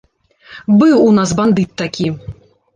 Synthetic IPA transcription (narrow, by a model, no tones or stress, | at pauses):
bɨwunas̬band̪ɨt̪ːakʲi